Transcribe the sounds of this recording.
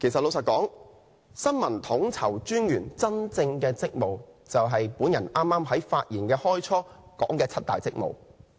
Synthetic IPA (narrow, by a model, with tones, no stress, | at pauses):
kʰe˨˩jsɐ˨lo˨˧wsɐː˨t̚kɔː˨˥ŋ | sɐ˥nmɐ˨˩nt̪ʰʊ˨˥ŋt͡sʰɐ˨˩wt͡ʃyː˥njyː˨˩nt͡sɐ˥nt͡sɪ˧ŋkɛː˧t͡sɪ˥k̚mo˨wt͡sɐ˨wɦɐ˨jpuː˨˥njɐ˨˩nʔaː˥mːaː˥mɦɐ˨˥jfaː˧t̚jiː˨˩nkɛː˧hɔː˥jt͡ʃʰɔː˥kɔː˨˥ŋkɛː˧t͡sʰɐ˥t̪̚a̰ː˨jt͡sɪ˥k̚mo̰˨w